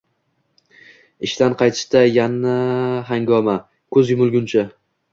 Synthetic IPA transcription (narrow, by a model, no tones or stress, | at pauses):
ɪʃt̪anqʰɑjt̪ʰɪ̥ʃt̪ajanaɦaŋɡɒma | kʰɵzjʊmʊlˠɡʲʊnt͡ʃʰa